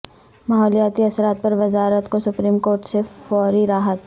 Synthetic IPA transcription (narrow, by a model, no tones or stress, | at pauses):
maːɦɔːlijaːt̪iɐsɾaːt̪̚pɐɾʋɐzaːɾət̪kosʊpɾiːmkoːɾʈsefɔːɾiɾaːɦət̪